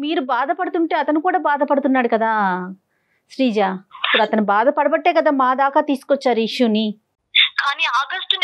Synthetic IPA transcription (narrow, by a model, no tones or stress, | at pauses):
miːɾubaːd̪ɐpɐɽut̪uɳʈe̞ːɐt̪ɐnikuːɽaːbaːd̪ɐpɐɽut̪unːaːɽukɐd̪aː | ʃɾiːd͡ʒaːipːuɽuɐt̪ɐnibaːd̪ɐpɐɽɐbɐʈːeːkɐd̪aːmaːd̪aːkaːt̪iːsu̥kɔt͡ʃːaːɾuiʂjuːni | kaːniːaːɡɐsʈn